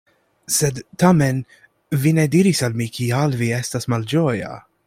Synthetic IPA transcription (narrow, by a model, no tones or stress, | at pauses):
sɛd̪t̪ːɐmɛn | vinɛd̪iɾisɐlmikiɐlviɛst̪ɐsmɐld͡ʒɔːjɐ̰